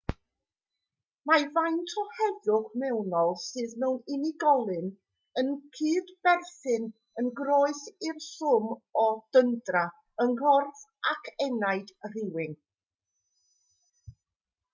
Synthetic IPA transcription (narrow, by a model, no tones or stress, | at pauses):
mavajntʰɔhɛðʊχmɛwnɔlˠsɨːðmɛwnɪnɪɡɔlˠɨn | ənkʰɨːdb̥ɛrθɨn | ənɡroːɨθɪrɬʊmɔd̥əndra | ənhɔrθakʰɛnajd̥r̥ɪwɪŋ